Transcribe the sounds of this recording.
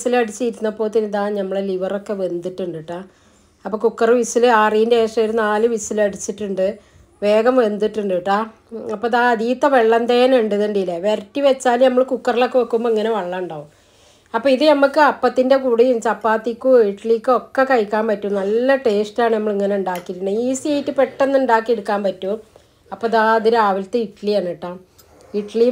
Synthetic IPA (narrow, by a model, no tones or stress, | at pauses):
silɐɽit͡ɕːijɾunːɐpːoːt̪inːiðaːnɐmːɐɭeliʋɐro̞kːe̞ʋe̞nd̪iʈːuɳɖiʈːaː | ɐpːoːkukːɐrɨʋisilɨaːrijindeeːʂrɐɾunaːlɨʋisilɐɽit͡ɕːiʈːuɳɖɨ | ʋe̞ːɡɐmʋe̞nd̪iʈːuɳɖɨʈːaː | ɐpːoðaðiːt̪ːɐʋeɭːɐnd̪ejneɳɖeðuɳɖilːɐʋerɐtːiʋet͡ɕːaːlnɐmːɐɭkukːɐrilo̞kːeʋɐkːumboiŋːɐne̞ʋɐɭːɐuɳɖaːʋum | ɐpːoːiðɨnɐmukːɨɐpːɐt̪ːinde̞kuːɽijimt͡ɕɐpːaːt̪ːikːuiʈɭikːɨo̞kːekɐjkːaːmpɐtːumnɐlːɐʈe̞ːstaːɳɨnɐmːɐɭiŋːɐneuɳɖaːkːiɾunːuiːsiejitːɨpeʈːenːuɳɖaːkːieɽukːaːmpɐtːu | ɐpːoðaːɐðiɾaːʋɐlt̪ːeiʈɭienːiʈːaː | iʈɭi